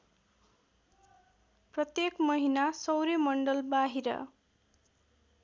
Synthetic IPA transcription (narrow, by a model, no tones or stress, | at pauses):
prʌt̪jekmʌɦinasʌwɾemʌɳɖʌlbaɦiɾʌ̰